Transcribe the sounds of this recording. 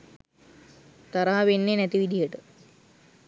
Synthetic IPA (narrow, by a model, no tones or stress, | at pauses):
t̪ɐɾaɦɐʋenːenɛt̪iʋid̪ʱijɐʈə